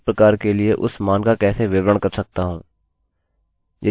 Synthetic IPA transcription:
pɾɐkaːɾkelieʔʊ̰smaːnkakɛːseʋɪʋɾəɳ̃kɐɾsɐk̚t̪aɦũː | jḛ

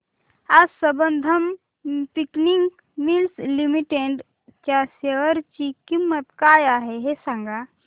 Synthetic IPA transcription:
asəbənd̪ʱɐm | pikniŋɡ | milslimiʈeɳɖ | t͡ʃaseʋəɾt͡ʃikimːət̪kaːjaɦeɦesãŋɡa

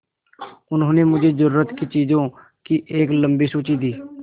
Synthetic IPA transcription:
ʊnɦõːnẽːmʊd͡ʒʱeːzəɾuːɾət̪kit͡ʃiːzõː | kɪʔeːkləmbiːsoːt͡ʃiːd̪iː

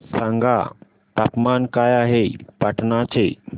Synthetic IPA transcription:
sãŋɡa̰ | t̪akmankajaɦepaʈnat͡ɕe

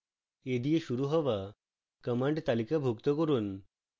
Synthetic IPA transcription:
ed̪ijeɕuɾuɦɔʋa | kəmaɳɖt̪alikabʱukt̪əkɔɾuːn

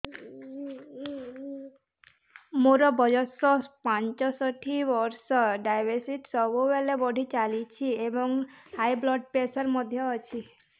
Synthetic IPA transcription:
moɾɔbɔd͡ʒɔsɔpant͡ʃɔsɔʈʰibɔɾsɔɖajbeɾsiʈsɔbubelebɔɽʱit͡ʃalit͡ʃʰiebɔŋhajblɔɖ̚pesɔɾmɔd̪ʱjɔːt͡ʃʰi

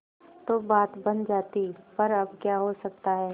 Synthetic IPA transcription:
t̪oːbaːt̪bɐnd͡ʒaːt̪ipɐɾɐbkjaɦosɐk̚t̪aɦɛː

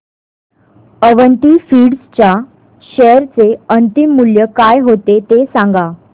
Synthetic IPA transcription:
əʋənt̪iːfiːɽst͡ɕja | ɕɛɾt͡seənt̪imːuljəkajɦot̪et̪esãŋɡa

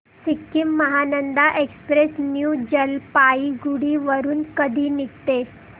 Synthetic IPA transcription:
sikːimːəɦanənd̪aʔekspɾesnjud͡ʑəlpaiɡuɽiːʋəɾuːnkəd̪ʱiːnikt̪e

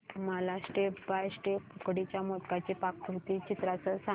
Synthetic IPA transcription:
məlasʈepbajsʈepukɽit͡ɕjamot̪kat͡ɕipak̚put̪iːt͡ɕit̪ɾat͡səsa

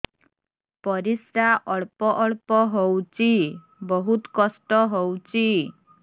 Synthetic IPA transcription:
pɔɾisɾaʔɔɭpɔʔɔɭpɔɦowt͡ʃʰi | bɔɦut̪kɔsʈɔɦowt͡ʃʰi

